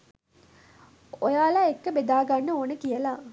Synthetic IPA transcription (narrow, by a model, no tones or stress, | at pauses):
ojaːlaekːəbed̪aːɡanːəoːnəkijəlaː